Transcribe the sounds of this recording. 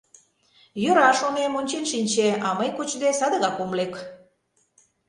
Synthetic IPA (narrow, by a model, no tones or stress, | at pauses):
jø̆ɾɑʃonemonʲt͡ɕenʃinʲt͡ɕeɑməjkut͡ɕd̪esɑd̪ə̆ɣɑkomlek